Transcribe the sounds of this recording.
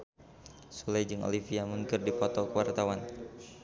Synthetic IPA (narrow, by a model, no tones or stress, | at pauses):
sulajd͡ʒɨŋo̰lifiamuŋkɨrdipɔt̪ɔkəwart̪awan